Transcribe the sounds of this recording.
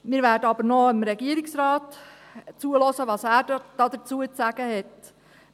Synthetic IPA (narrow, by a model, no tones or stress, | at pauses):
miːɾvæːɾdəɑbəɾnɔɪmɾɛɡiəɾɪksrɑːt | t͡suəlɔsəʋɑsæːɾd̥ɑd̪əɾt͡suət͡sæɡ̥əhɛt